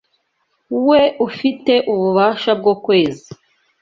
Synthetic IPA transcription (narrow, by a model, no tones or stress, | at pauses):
uwe̞ʔufite̞ʔuβuβaːʃab̚ɡo̞ːkwe̞ːzi